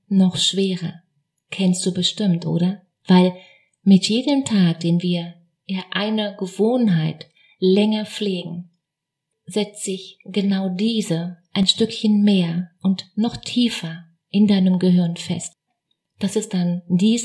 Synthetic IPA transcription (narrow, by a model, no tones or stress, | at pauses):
nɔχʃv̥eːʁɐ | kʰɛnst̚d̥uːbəʃtɪmtʔo̰ːɾɐ | v̥aɪl | mɪtjeːdəmtʰaːk̚d̥eːnviːɐ | ɪnʔaɪnɐɡəvoːnɦaɪt | lɛŋɐp͡fleːɡŋ̩ | zɛt͡stz̥ɪçɡ̥ənaʊdiːzəʔaɪnʃtʏkçənmeːɐʔʊntnɔχtʰiːfɐ | ʔɪndaɪnəmɡəɦɪɐnfɛ̰st | d̥asɪst̚d̥andiːz